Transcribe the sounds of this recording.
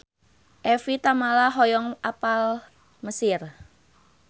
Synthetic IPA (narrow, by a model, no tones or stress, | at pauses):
ʔɛfit̪amalaɦɔjɔŋapal | məsɪr